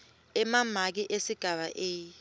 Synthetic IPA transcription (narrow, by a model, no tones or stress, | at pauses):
ɛmam̤ak̬iʔesiɡ̥ʱaɓa̰ʔeː